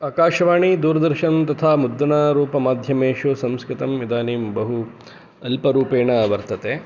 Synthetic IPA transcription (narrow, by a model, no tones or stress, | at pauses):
aːkaːʃɐʋaːɳid̪uːɾɐd̪ɐɾʃɐnnt̪ɐt̪ʰaːmud̪ːɐnaːɾuːpɐmaːd̪ʱjɐmeːʃusɐmskɾɪt̪ɐmid̪aːniːmbɐɦu | ɐlpɐɾuːpeːɳɐʋɐɾt̪ɐt̪eː